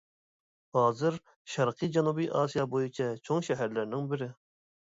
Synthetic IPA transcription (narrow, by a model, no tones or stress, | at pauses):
hɑːzɨɾ | ʃɑɾqʰɨd͡ʒɑnubijʔɑːsijɑbojut͡ʃʰɛt͡ʃʰoŋʃɛɦæɾlɪɾnɪŋbɪɾɪ